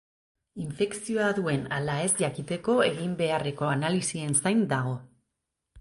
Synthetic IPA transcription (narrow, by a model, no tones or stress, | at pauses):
iɱfe̞ksio̞aðue̞nalae̞zʝakit̪e̞ko̞e̞ɣimbe̞are̞ko̞analisie̞nsajnd̪aɣ̞o̞